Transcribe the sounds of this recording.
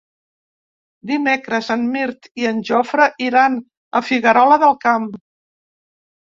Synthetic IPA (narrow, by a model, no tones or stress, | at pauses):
d̪imekɾəzənmiɾt̪iənʲʒɔfɾəʔiɾan | əfiɣəɾɔləðəlˠkam